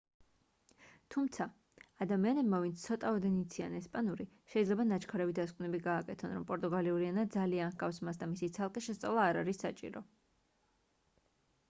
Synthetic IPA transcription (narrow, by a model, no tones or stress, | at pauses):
t̪ʰumt̪sʰaː | d̪amianɛbmavint̪sʰt̪sʰɔt̪ʼaɔd̪ɛnit̪sʰia̰nɛspʼanuɾi | ʃɛid̪zlɛbanat͡ʃʰkʰaɾɛvid̪askʼvnɛbiɡaːkʼɛt̪ʰɔnɾɔmpʼɔɾt̪ʼuɡaliuɾianad̪zalianχɡʼafsmasd̪amisit̪sʰalˠqʼiʃɛst̪sʼa̰vlˠaːɾaɾisːat͡ʃʼḭɾɔ